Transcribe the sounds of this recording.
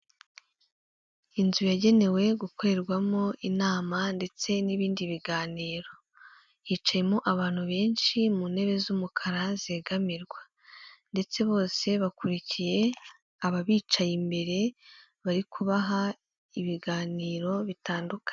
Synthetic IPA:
inzujaɟe̞ne̞we̞ɡukoɾeɾɡwamo̞inaːmande̞t͡se̞niβiːndiβiɡaːniːɾo̞ | jiːt͡ʃaje̞moʔaβaːn̥huβe̞ːnʃimuːnhe̞βe̞zumukʰaɾazeːɡamiɾɡwa | nde̞t͡se̞βo̞ːse̞βakuɾicije̞ | aβaβiːt͡ʃajimbe̞ɾe̞ | βaɾikʰuβaɦa | iβiɡaːniːɾo̞βitaːndukḁ

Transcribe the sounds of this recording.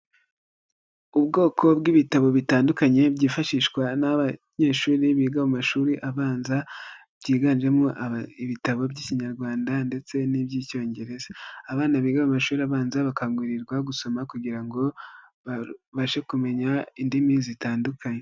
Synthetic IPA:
ubɡo̞ːkʰo̞bɡiβitaβo̞βitaːndukaɲe̞bɟiːfaʃiʃkwanaβaɲe̞ːʃuːɾiβiːɡaβumaʃuːɾiʔaβaːnzabɟiːɡanʒe̞moʔaiβitaβo̞bɟiːciɲaɾɡwaːndande̞t͡se̞nibɟiːco̞ːɲɟe̞ɾe̞zaaβaːnaβiːɡaβamaʃuːɾiaβaːnzaβakaŋɡiɾiɾɡwaɡuso̞makuɡiɾaŋɡo̞βaβaʃe̞kume̞ɲaindimizitaːndukʰaɲe̞

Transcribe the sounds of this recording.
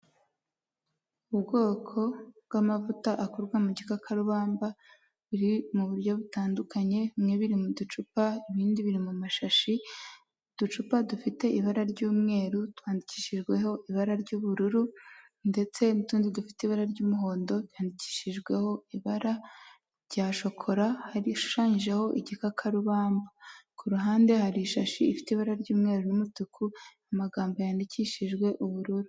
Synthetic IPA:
ubɡo̞ːkʰo̞bɡamavutaʔakoɾɡwamuɟikakʰaɾuβaːmba | βuɾimuβuɾjo̞βutaːndukaɲe̞mŋeβiɾimudut͡ʃupaiβiːndiβiɾimumaʃaʃi | d̥ut͡ʃupadufite̞ʔiβaɾaɾɟuːmŋe̞ːɾutwaːndiciːʃiʒɡwe̞ɦo̞ʔiβaɾaɾɟuːβuɾuɾu | nde̞t͡se̞nutuːnzidufi̥teiβaɾaɾɟuːmuɦo̞ːndo̞jaːndici̥ːʃiʒɡwe̞ho̞iβaɾa | ɾɟaːʃo̞kʰo̞ɾahaɾiʃu̥ʃaːɲiʒeho̞ʔiɟikakʰaɾuβaːmbakuɾuɦaːnde̞haɾiʃaʃiːfi̥teiβaɾaɾɟuːmŋe̞ɾunumutukʰuamaɡaːmbojaːndicʰiʃiʒɡwe̞ʔuβuɾuɾu

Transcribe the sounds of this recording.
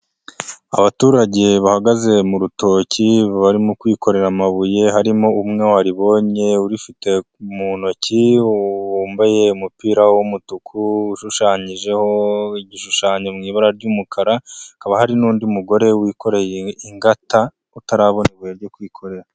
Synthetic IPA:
a̰βatuːɾaɟe̞βahaɡaze̞muɾuto̞ːciβaɾimukwiːko̞ɾe̞ɾamaβuje̞ɦaɾimo̞umŋe̞waɾiβo̞ɲe̞uɾifite̞ | umuno̞ciwuːmbajeumupiːɾawomutukʰuːʃuʃaːɲiʒe̞ho̞iɟiʃuʃaːɲemŋiːβaɾaɾɟumukʰaɾaakaβahaɾinuːndiumuɡo̞ɾe̞wiːko̞ɾe̞jeiŋɡata | utaɾaβo̞newujeɾɟo̞kwiːkʰo̞ɾe̞ɾa

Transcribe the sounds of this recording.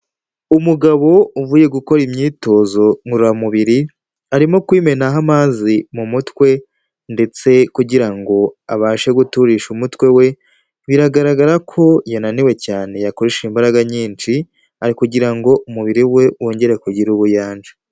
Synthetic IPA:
umuɡaβo̞uvuːje̞ɡuko̞ɾimɲiːto̞ːzo̞ŋuɾuɾamuβiɾi | aɾimo̞kwiːme̞naɦamaːzimumutwe̞ | nde̞t͡se̞kuɟiɾaŋɡo̞aβaːʃe̞ɡutuɾiʃumutwe̞we̞ | βiɾaɡaɾaɡaɾakʰo̞jananiwe̞caːne̞jakoɾiʃimbaɾaɡaɲiːnt͡ʃi | aɾikuɟiɾaŋɡo̞ʔumuβiɾiwe̞wo̞ːɲɟe̞ɾe̞kuɟiɾuβujaːnd͡ʒe

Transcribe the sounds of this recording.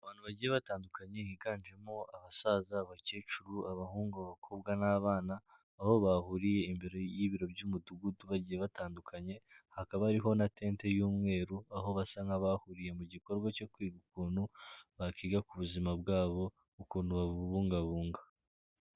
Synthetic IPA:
aβaːn̥huβaɟije̞βataːndukaɲe̞hiɡaːnd͡ʒe̞moʔaβasaːzaβaceːt͡ʃuɾuaβahuːŋɡuβakʰo̞bɡanaβaːnaː | ho̞βahuɾije̞imbiɾo̞jiːβiɾo̞bɟuːmuduɡuduβaɟijeβataːndukʰaɲe̞hakaβaɾiɦo̞nate̞ːnte̞juːmŋe̞ːɾuaɦo̞βasaŋɡaβahuɾije̞muɟiko̞ɾɡwaco̞kwiːɡukuːn̤̥huβakiːɡakuβuzimabɡaːβo̞ | ukuːn̥huβaβuːŋɡaβuːŋɡa

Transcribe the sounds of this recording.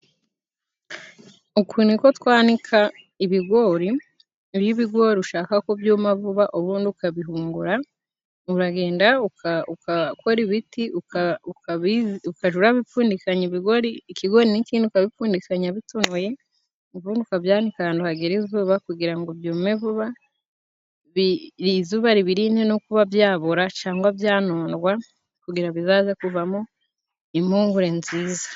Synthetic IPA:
ukunikotwaːnikʰa | iβiɡo̞ɾi | βjiβiɡwo̞ɾiuʃaːkakobjuːmaβuβaʔoβuːndiukaβiɦuːŋɡuɾa | uɾaɡe̞ːndaukaukako̞ɾiβiti | kiukaʒuɾaβifuːndikaɲiβiɡoɾiːkiɡo̞ɾinikiːndiukaβifuːndikaɲaβitunuje̞ | βuːndukaβjaːnikaaːnduhaɡeɾizuβakuɡiɾaŋɡoβjuːmeβuβa | βiɾizuβaɾiβiɾinenokuβavjaːβuɾat͡ʃaːŋɡwaβjaːnoːnɡwa | kuɡiɾaβizaːzekuβamo | imhuːŋɡuɾe̞nziːzḁ

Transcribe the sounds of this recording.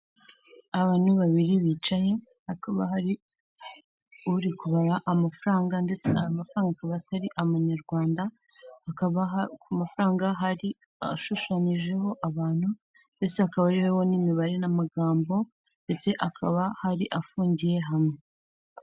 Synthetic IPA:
aβaːn̥huβaβiɾiβiːt͡ʃaje̞ | hakaβa̰ɦaɾi | uɾikuβaɾaʔamafuɾaːŋɡande̞t͡se̞ajamafɾaːŋɡakaβataɾiʔaβaɲaɾɡwaːnda | hkaβakumafɾaːŋɡaɦaɾi | a̰ʃuʃaɲiʒe̞ɦo̞ʔaβaːn̥hu | nde̞t͡se̞hakaβaɾiwewo̞nimiβaɾe̞namaɡaːmbo̞ | nde̞t͡se̞ʔakʰaβahaɾiʔafuːɲɟije̞ɦamŋe

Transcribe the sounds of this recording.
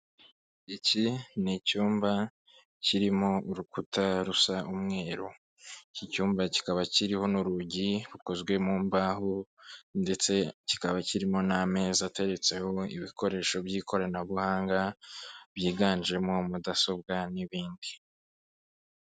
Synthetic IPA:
icinicuːmba | ciɾimo̞uɾukutaɾusaʔumŋe̞ːɾo | icicuːmbaci̥kaβaciɾiho̞nuɾuɟiɾuko̞zɡwe̞muːmbaːhonde̞t͡se̞ci̥kaβaciɾimo̞name̞ːzate̞ɾe̞t͡se̞ho̞ḭβikʰo̞ɾe̞ːʃo̞bjiːkʰo̞ɾanaβuhaːŋɡabjiːɡaːnd͡ʒe̞mo̞mudaso̞b̚ɡaniβiːndi

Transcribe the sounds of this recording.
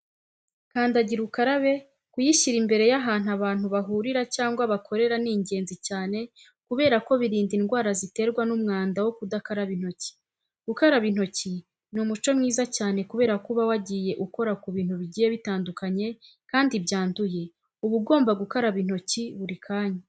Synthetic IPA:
kaːndaɟiɾukaɾaβe̞ | kujiʃiɾimbe̞ɾe̞jaɦaːnuaβaːn̥huβaɦuːɾiɾacaːŋɡwaβakʰo̞ɾe̞ɾaniːɲɟe̞ːnzicaːne̞ | kuβe̞ːɾako̞βiɾiːndinɡwaːɾazite̞ːɾɡwanumŋaːndawo̞kudakaɾaβin̥ho̞ci̥ | ɡ̥ukaɾaβin̥o̞ci | numut͡ʃo̞mŋiːzacaːne̞kuβe̞ːɾakuβawaɟije̞ʔuko̞ɾakuβiːn̥uβiɟiːjeβitaːndukaɲe̞ | kaːndibɟaːnduje̞ | uβub̚ɡo̞ːmbaɡukaɾaβin̥o̞ciβuɾikʰaːɲe

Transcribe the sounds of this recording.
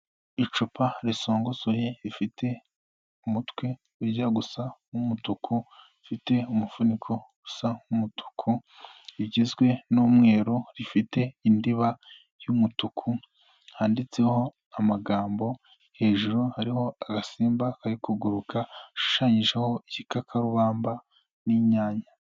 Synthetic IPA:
it͡ʃupʰaɾiso̞ːŋɡosojeɾifitʰe̞ | umutwe̞ | uɾɟaɡusaumutukʰu | ifite̞umufunikʰo̞ɡu̥saumutʰu̥kʰu | iɟizɡwe̞nomŋe̞ːɾoɾifite̞indiβa | jumutukʰu | haːndit͡se̞ho̞ | amaɡaːmbo̞ | he̞ːʒuɾohaɾiho̞aɡasiːmbakaɾikuɡuɾukʰaʃu̥ʃaːɲiʒeho̞icikakʰaɾuβaːmba | niɲaːɲa

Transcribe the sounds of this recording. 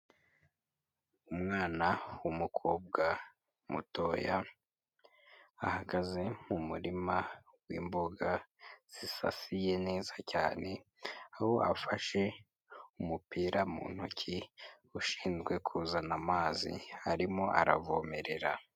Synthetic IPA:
umŋaːnawumukʰo̞ːb̚ɡa | mṵto̞ja | ahaɡaze̞mumuɾima | wḭːmbo̞ɡaz̥isa̰sije̞ne̞ːzacaːne̞ | aho̞ʔafaʃe̞ | umupiːɾʔamṵːn̥hucʰi | uʃiːnzɡwe̞kʰuːzanamaːzḭaɾimo̞ʔa̰ɾavoːme̞ɾe̞ɾa

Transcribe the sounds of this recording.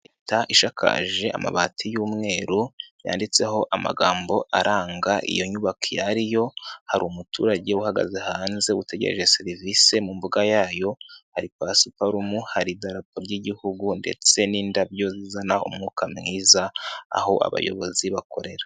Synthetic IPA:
etaʔiʃakʰa̰ʒe̞a̰ma̰βaːtʰijuːmŋe̞ːɾuja̰ːndit͡se̞ɦo̞ʔama̰ɡaːmbo̞ʔaɾʔaːŋɡaʔḭjo̞ɲuβakʰijaɾijo̞haɾumutuːɾaɟe̞uhaɡa̰zehaːnze̞wute̞ɟe̞̰ɾeʒesiɾivise̞mumbuɡajaːjo̞haɾipasupaɾumuhaɾidaɾapoɾɟiɟihuɡunde̞̰t͡se̞niːndabjo̞zizanaṵmŋuːkʰamŋiːza̰ːho̞ʔa̰βa̰jo̞̰βo̞̰ziβakʰo̞ɾe̞ɾḁ

